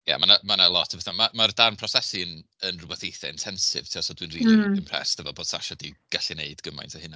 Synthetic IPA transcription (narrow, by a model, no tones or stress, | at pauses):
ja̰manamanaəlˠɔtʰəvɛθamamardarnpʰrɔsɛsɪn | ənrʊbɛθejθɛɪntʰɛnsɪ̰vtʰiːɔsodwinriːliɪmpʰr̥ɛ̰stʰɛvɔboːd̥sa̰ʃɔdiɡ̥aɬɪneɨdɡəma̰jntʰahɨna